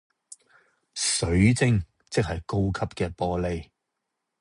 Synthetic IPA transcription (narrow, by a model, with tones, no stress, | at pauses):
sɵ˨˥ɥt͡sɪ˥ŋ | t͡sɪ˥k̚hɐ˨jko˥wkʰɐ˥p̚kɛː˧pɔː˧le˧j